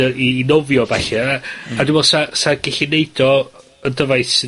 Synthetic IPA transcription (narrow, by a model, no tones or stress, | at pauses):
əiːnɔvjɔbaɬɛaadũmbɛlˠsasaɡ̥ɛɬɪneɨdɔ | əndəvajθ